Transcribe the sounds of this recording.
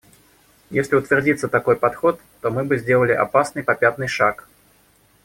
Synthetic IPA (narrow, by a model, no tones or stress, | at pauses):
jesʲlʲɪʊt̪vʲɪrd͡zʲit̪sət̪akojpat̪xɔt̪ːɔmɨbɨzʲdʲelˠəlʲɪʔa̰pasnɨjpapʲat̪̚nɨjʂak